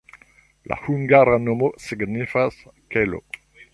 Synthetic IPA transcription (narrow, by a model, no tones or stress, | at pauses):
lʔa̰huŋɡaɾanomosiɡnifaskelo̰